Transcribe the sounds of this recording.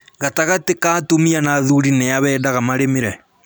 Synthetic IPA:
ɣataɣatekatomianaðuɾinɛaβɛːdaɣamaɾemeɾɛ

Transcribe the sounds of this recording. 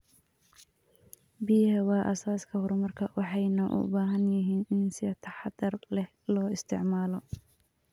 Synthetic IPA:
bijhɐwɑːʔɐ̰saːskʰɐhʊɾmɐrkʰɐwɑħɑjnɐʔʊ̰baːɦɐnjɪɦiːnɪnsɪɐt̪ʰɑħɑd̪ɐrlɛh | lɔːɪst̪ʰɪʕmaːlɔ

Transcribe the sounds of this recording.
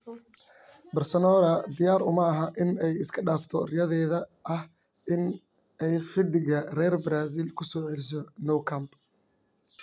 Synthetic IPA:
bɐrsɔnɔːɾɐd̪ɪjaːɾʊmɐɐɦɐʔɪnɛjɪskʰɐɖaːft̪ʰɔrɪjɐðɛːðɐʔɐh | ʔɪn | ɛjħɪd̪ɪɣɐrɛːrbɾaːs̬ɪlkʰʊsɔːʕɛlɪs̬ɔnɔwkʰɐmb

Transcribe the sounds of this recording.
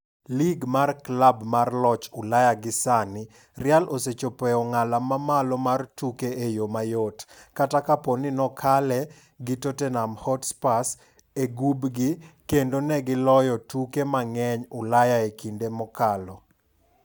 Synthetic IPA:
liɡmarklabmarlɔt͡ʃʊlajaɡɪsanɪ | rɪalʔoset͡ʃopɛɔŋalamamalɔmartukeejomajotkatakaponɪnɔkʰalɛ | ɡɪtotenamhɔtspas | eɡubɡɪkendonɛɡɪlɔjɔtukemaŋɛɲʊlajaekindemɔkalɔ

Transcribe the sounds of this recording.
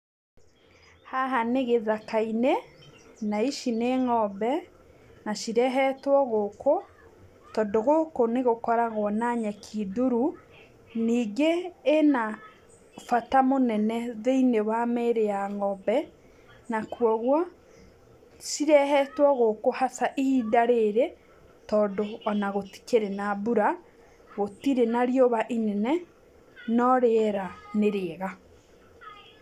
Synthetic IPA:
haɦaneɣeðakaine | naiʃineŋɔbɛ | naʃiɾɛɦɛtwɔɣoko | tɔdoɣokoneɣokɔɾaɣwɔnaɲɛkʰiduɾu | niːɡeːna | fatamonɛnɛðeinewameɾejaŋɔbɛ | nakwɔɣwɔ | siɾɛhɛtwɔɣokohasaʔiidaɾeɾe | tɔːndoɔnaɣoti̥keɾenabuɾa | ɣotiɾenaɾioβaʔinɛnɛ | nɔɾeɛɾaneɾeːɣa

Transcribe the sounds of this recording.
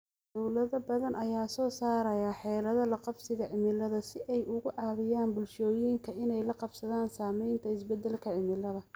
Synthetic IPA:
d̪ɔwlɐðɐbɐðɐnʔɐjaːsɔːsaːɾɐjaħɛːlɐðɐlɐqɑbsɪɣɐʕɪmɪlɐðɐsɪʔɛjʔʊɣʊʕɑːðɪjaːnbʊlʃɔːjiːŋkʰɐɪnɛjlɐqɑbsɐðaːnsaːmɛjnt̪ʰɐɪsbɛd̪ːɛlkʰɐʕɪmɪlɐðɐ

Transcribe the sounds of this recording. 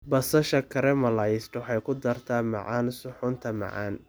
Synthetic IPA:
bɐsɐʃɐkʰɐɾɛmɐlɐjsʈwħɑjkʰʊd̪ɐrt̪ʰɐmɑ̰ʕaːnsʊħʊnt̪ʰɐmɑ̰ʕɑ̰ːn

